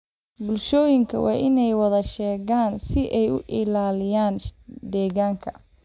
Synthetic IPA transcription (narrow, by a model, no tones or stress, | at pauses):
bʊlʃɔːjɪŋkʰɐ̰wʔɑ̰ːʔɪnɛjwɐðɐʃɛːɣaːnsɪʔɛjʊ̰ʔɪlaːlɪjaːnd̪ɛːɣaːŋkʰɐ